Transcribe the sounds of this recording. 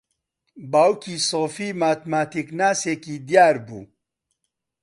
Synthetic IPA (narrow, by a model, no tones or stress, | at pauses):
bawkisoːfimaːt̪maːt̪iknaːsekid̪jaːɾbṵ